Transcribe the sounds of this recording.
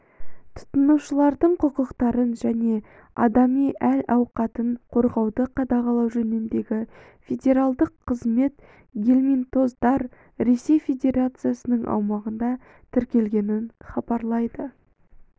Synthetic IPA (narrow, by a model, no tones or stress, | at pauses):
t̪ʰʊ̥t̪ənuwʃəlˠɑɾd̪əɴqʰʊqəqt̪ɑɾənʒæne̞ | ɑ̰d̪ɑmijʔæɾɑwqɑt̪əɴqʰo̞ɾʁɑwd̪əqʰɑd̪ɑʁɑlˠɑwʒɵnemd̪e̞ɡʲɪ | fʲe̞dʲe̞ɾalˠd̪əqʰːəzme̞t̪ | ɡʲelʲmint̪o̞zd̪ɑɾ | ɾe̞se̞jfʲe̞dʲe̞ɾat̪sɨjasənəɴʔɑ̰wmɑʁənd̪ɑ | t̪ʰɪɾkʲe̞lɡʲe̞nɪnχɑbɑɾlˠɑjd̪ə